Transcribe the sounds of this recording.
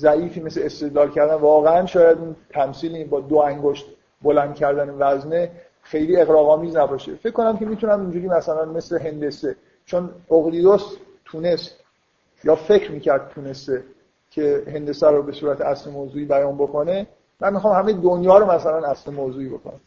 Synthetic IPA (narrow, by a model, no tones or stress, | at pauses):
zæʔiːfiːmesleest̪e̞d̪lɒːlcʰæɾd̪ænvɒːɣeænʃɒːjæd̪unt̪ʰæmsiːlibɒːd̪oæŋɡoʃt̪ | bo̞lænd̪̚cʲʰæɾd̪ænevæzne | xe̞jliːe̞ɣɾɒːɣɒːmiːznæbɒːʃḛfe̞cʰkːo̞næmcʲʰe̞miːt̪ʰunæmind͡ʒuːɾimæsælænme̞sle̞ɦe̞nd̪e̞se | t͡ʃʰonoɣlid̪os | t̪ʰuːne̞st̪ | jɒːfe̞cʰɾmiːcæɾd̪̚t̪ʰuːne̞st̪e | cʰe̞he̞nd̪e̞sæɾobe̞suːɾæt̪ʰeæslemoːzuːiːbæjɒːnbo̞kʰone | mænmixɒːmhæmejd̪onjɒːɾomæsælænæslemoːzuːiːbo̞̰kʰo̰næm